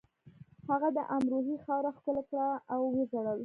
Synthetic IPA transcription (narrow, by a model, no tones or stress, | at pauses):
haɣad̪əʔamɾoɦixɑɾaxkəlakɽaːwːezaɽawi